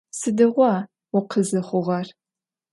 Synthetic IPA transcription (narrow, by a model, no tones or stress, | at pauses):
sɨdɨʁʷɑ | ʊqʰəzɨχʷʊʁɐr